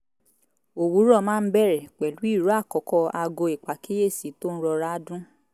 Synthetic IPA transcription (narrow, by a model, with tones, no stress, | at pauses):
o˨wu˨˦ɾɔ˦˨mãː˦˧n̩˦bɛ˦˨ɾɛ˨k͡pɛ˨lu˨˦i˦˨ɾu˨˦a˦˨kɔ˨˦kɔ˦˧a˧ɡo˧i˨k͡pa˨ke˦je˦˨si˨˦to˦n̩˦ɾɔ˧ɾa˦dũ˦